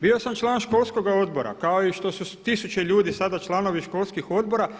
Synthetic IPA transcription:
bio̞samt͡ʃlˠaːnʃko̞lˠsko̞ɡao̞d̪bo̞ɾa̰kaoiʃt̪o̞sut̪isut͡ʃeʎuːd̪isad̪at͡ʃlˠano̞ʋiʃko̞lskixo̞d̪̚bo̞ɾa

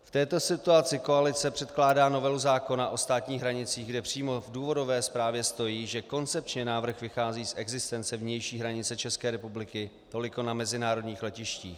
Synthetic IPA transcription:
ft̪ɛːt̪o̞sɪt̪uat͡sɪkoalɪt͡sɛpr̝̥ɛt̪klaːdaːno̞vɛluzaːko̞naʔo̞st̪aːt̪ɲiːɣɦɾaɲɪt͡siːɣɡdɛpr̝̥iːmo̞vduːvo̞do̞vɛːspɾaːvjɛst̪o̞jiːʒɛko̞nt͡sɛp̚t͡ʃɲɛnaːvr̩xvɪxaːziːsʔɛɡzɪst̪ɛnt͡sɛvɲɛjʃiːɦɾaɲɪt͡sɛt͡ʃɛskɛːɾɛpublɪkɪ | t̪o̞lɪko̞namɛzɪnaːɾo̞dɲiːxlɛcɪʃciːx

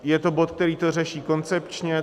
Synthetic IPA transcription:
jɛt̪o̞bo̞t̪̚k̚t̪ɛɾiːt̪o̞rɛʃiːko̞nt͡sɛpt͡ʃɲɛ

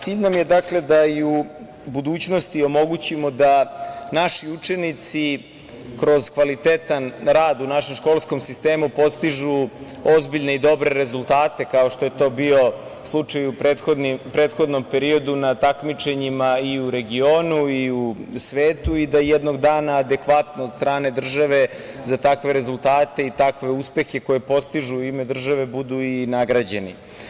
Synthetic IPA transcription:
t̪siːʎʲnamje̞d̪akle̞d̪aiu | bud̪uːt͡ɕno̞st̪io̞mo̞ɡut͡ɕimod̪anaʃiut͡ʂe̞nit̪si | kɾo̞zkʋalit̪et̪anɾaːd̪unaʃe̞mʃko̞ːlˠsko̞msist̪eːmupo̞st̪iʒu | ozbiʎne̞id̪o̞bɾe̞ɾe̞zulˠt̪aːt̪e̞kao̞ʃt̪o̞jet̪o̞ːbio̞ | slˠut͡ʃajupeod̪nipɾeːt̪xo̞d̪no̞mpe̞ɾio̞d̪unat̪akmit͡ʃe̞ɲimaiuɾe̞ɡio̞ːnuiusʋeːt̪uid̪ajɛd̪no̞ɡd̪aːnaːd̪e̞kʋat̪nood̪st̪ɾaːne̞d̪r̩ʒaʋe̞zat̪akʋe̞ɾe̞zulˠt̪aːt̪e̞it̪akʋe̞uspe̞xe̞ko̞jepo̞st̪iʒuime̞d̪r̩ʒaʋe̞bud̪uinaɡɾad͡ʑe̞nḭ

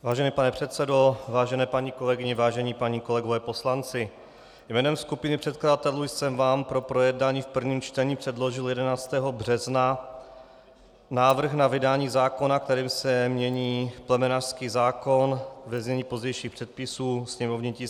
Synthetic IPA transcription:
vaːʒɛniːpanɛpr̥ɛt̪sɛdo̞vaːʒɛnɛːpaɲiko̞lɛɡɪɲɛvaːʒɛɲiːpaɲiːko̞lɛɡovɛːpo̞slant͡sɪ | jmɛːnɛmskupɪnɪpr̝̥ɛt̪̚kladat̪ɛluːjsɛmvaːmpɾo̞pɾo̞jɛdnaːɲiːfpr̩vɲiːmt͡ʃt̪ɛɲiːpr̥ɛdlo̞ʒɪljɛdɛnaːt͡st̪ɛːɦo̞brɛzna | naːvr̩xnavɪdaːɲiːzaːko̞nak̚t̪ɛɾiːmsɛmɲɛɲiːplɛmɛnar̥skiːzaːko̞nvɛzɲɛɲiːpo̞zɟɛjʃiːxpr̝̥ɛt̪̚pɪsuːsɲɛmovɲɪciː

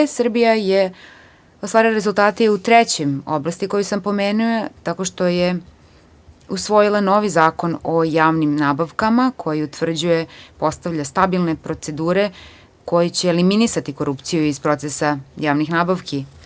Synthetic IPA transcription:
sr̩bijaje | ost̪ʋaːɾilaɾezulˠt̪aːt̪eut̪ɾet͡ɕemo̞̰blˠast̪iko̞jusampo̞meːnujot̪ako̞ʃt̪o̞je | usʋo̞jilˠano̞ʋizaːko̞no̞jaːʋnimnaːbaʋkamakʰo̞jiut̪ʋr̩d͡ʑuje̞po̞st̪aʋʎast̪abilˠnepɾo̞t̪se̞d̪uːɾe̞ | ko̞jet͡ɕeːliminisat̪iko̞ɾupt̪sijuizpɾo̞t̪sesajaːʋnixnaːbaʋki

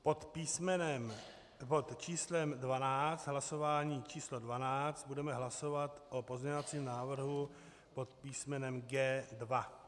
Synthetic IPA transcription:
pot̪pismɛnɛm | pot̪t͡ʃiːslɛmdvanaːt͡st̪ɦlaso̞vaːɲiːt͡ʃiːslodvanaːt͡st̪̚budɛmɛɦlaso̞vat̪ʔopozɲɛovat͡siːmnaːvr̩ɦu | po̞t̪piːsmɛnɛmɡɛːdva

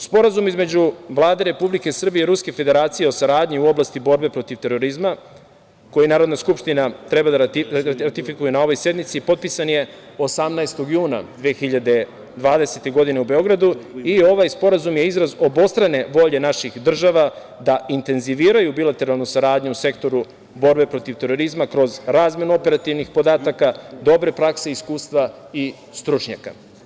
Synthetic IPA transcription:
spo̞ɾazumizme̞d͡ʑuʋlˠaːd̪e̞ɾe̞publike̞sr̩bieiɾuske̞fed̪e̞ɾaːt̪sijeo̞saɾaːd̪ɲiuo̞blˠast̪ibo̞ɾbe̞pɾo̞t̪iʋt̪e̞ɾo̞ɾizma | ko̞jinaːɾo̞d̪naskupʃt̪inat̪ɾebad̪aiɾaɾat̪ifikujenao̞ʋo̞jsje̞d̪mit̪sipo̞t̪̚pisanje̞ | o̞samnaest̪o̞ɡjuːna̰d̪ʋeːxiʎad̪e̞ | d̪ʋaːd̪e̞se̞t̪e̞ɡo̞d̪ine̞ube̞o̞ɡɾad̪uio̞ʋajspo̞ɾazumje̞izɾazo̞bo̞st̪ɾane̞ʋo̞ʎe̞naʃixd̪r̩ʒaʋa | d̪aint̪e̞nziʋiːɾajubilˠat̪e̞ɾalˠnusaɾaːd̪ɲuuse̞kt̪o̞ɾu | bo̞ɾbe̞pɾo̞t̪iʋt̪e̞ɾo̞ɾizmakɾo̞zɾaːzmje̞nuo̞pe̞ɾat̪iʋnixpo̞d̪aːt̪akad̪o̞bɾe̞pɾakse̞iskuːst̪ʋa | i | st̪ɾut͡ʃɲa̰ka̰

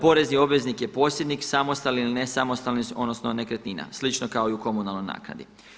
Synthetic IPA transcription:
po̞ɾe̞znio̞bʋe̞znikjepo̞ːsje̞d̪niksamo̞st̪alniilinesamo̞st̪alniso̞d̪nosno̞ne̞kɾet̪nina̰slit͡ʃnokao̞iuko̞munalˠno̞jna̰ːkna̰d̪i

